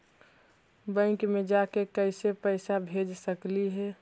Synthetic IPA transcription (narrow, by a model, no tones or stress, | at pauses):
bə̃ɪkmẽd͡ʒakekəɪsepəɪsabʱed͡ʒsəkliɦɛː